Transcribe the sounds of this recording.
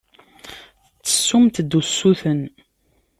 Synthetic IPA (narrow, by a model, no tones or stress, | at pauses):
t͡sːə̥sːumt̪d̪usːuθən